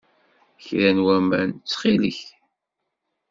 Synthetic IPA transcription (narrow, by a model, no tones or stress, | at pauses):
çɾænwæmæ̰nt͡sːχilə̰ç